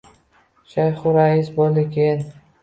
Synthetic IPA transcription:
ʃajχʊɾaisbolɪkʰʲen

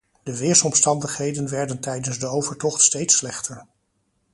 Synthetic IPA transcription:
d̥əʋɪːɹsɔmstɑndəχɦejdənʋɛɹdəntɛjdənzdəowvəɹtɔχtstejtslɛχtəɹ

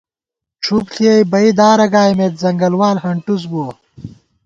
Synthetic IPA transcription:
ʈ͡ʂʰupɬiejbɐid̪aːɾɐɡaːjmet̪zɐŋɡɐlwaːlhɐɳʈus̬boː

